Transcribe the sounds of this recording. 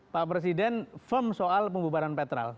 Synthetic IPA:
papɾes̬idɛnfəmsoalpəŋbubaɾanfɛt̪ɾa̰l

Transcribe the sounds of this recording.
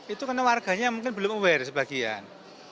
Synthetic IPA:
it̪ukənəwarɡ̥ä̤ɲajaŋmuŋkɪnbəlʊməwɛrsəbä̤ɡ̥ia̰n

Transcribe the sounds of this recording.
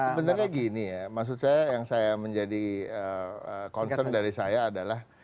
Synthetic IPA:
əbənt̪ərɲaɡinijamaks̬ʊt̪̚sajajaŋsajaməɲd͡ʒadiəəkɔnsərndaɾisajaːdalah

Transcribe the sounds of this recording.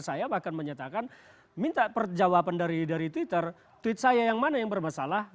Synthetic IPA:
sajabahkanməɲat̪akan | mint̪aʔpərd͡ʒawapandaɾidaɾit̪wit̪ər | t̪uwɪt̪̚sajajaŋmanajaŋbərmasalah

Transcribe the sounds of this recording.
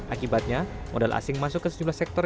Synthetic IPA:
ʔakibat̪̚ɲa | mo̰dalʔa̰sɪŋmasʊkːəsəd͡ʒumblahsɛk̚t̪ɔr

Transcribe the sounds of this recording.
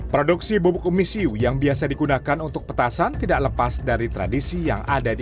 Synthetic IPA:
pɾoduksibubukumisiujaŋbiasadiɡunakanunt̪ʊk̚pə̥t̪asant̪idaʔləpasdaɾit̪ɾa̰disijaŋʔadadi

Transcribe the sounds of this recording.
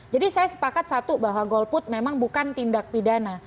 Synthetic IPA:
d͡ʒadisajasə̥pakat̪̚sat̪ubaɦwaɡɔlpʊt̪̚memaŋbukant̪indak̚pidana

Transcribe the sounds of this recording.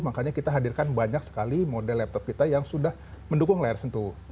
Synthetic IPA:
makaɲakit̪aɦadirkanbaɲak̚sə̥kalimodɛlːɛp̚t̪ɔp̚kit̪ajaŋsudahməndukʊŋlaɛrsənt̪u

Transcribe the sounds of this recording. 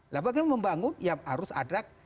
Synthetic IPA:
labaɡaməmbaŋʊnjahaɾʊsa̰dak̚

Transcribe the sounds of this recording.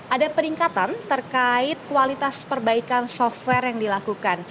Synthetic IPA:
ʔadapəɾiŋkat̪ant̪ərkaɪt̪̚kualit̪aspərbaikansɔfwɛrjaŋdilakukan

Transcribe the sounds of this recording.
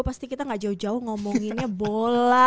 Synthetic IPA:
past̪ikit̪aŋɡaʔd͡ʒauhd͡ʒaʊhŋɔmɔŋinɲabola

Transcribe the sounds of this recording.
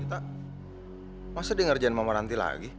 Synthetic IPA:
it̪a | masadəŋərd͡ʒaɪnmamaɾant̪ila̰ɡi

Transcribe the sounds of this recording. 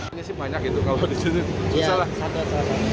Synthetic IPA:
aɲasɪhbaɲak̚ɡit̪ukalawdisit̪usjasalahsat̪asada

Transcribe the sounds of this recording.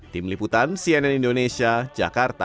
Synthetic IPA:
t̪imliput̪ansiɛnɛnindonesiad͡ʒa̰kart̪a̰

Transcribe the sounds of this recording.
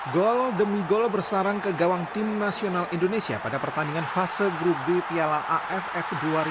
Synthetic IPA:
ɡɔldəmiɡɔlbərsaɾaŋkəɡawaŋt̪imnasionalʔindonesia̰padapərt̪andiŋanfasəlɡɾup̚bepialaʔaʔɛfɛfduaɾ

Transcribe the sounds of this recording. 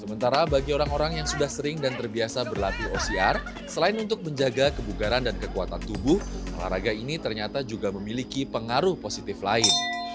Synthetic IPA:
səmənt̪aɾabaɡioɾaŋoɾaŋjaŋsudahsəɾɪŋdant̪ərbiasabərlapiosiar | səlaɪnunt̪ʊk̚məɲd͡ʒaɡakəbuɡaɾandankəkuat̪ant̪ubʊhma̰la̰ɾa̰ɡainit̪ərɲat̪ad͡ʒuɡaməmilikipəŋaɾʊhposit̪ɪflaɪn

